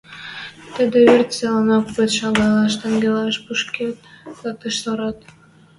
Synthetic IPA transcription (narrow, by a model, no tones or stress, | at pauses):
t̪əd̪ĕβert̪ʲselɑnɑkpət̪ʃɑɡɑlˠɑʃ̬t̪eŋɡʲelɑʃpuʃkʲet̪̚zɑk̚t̪əʃsoɾɑt̪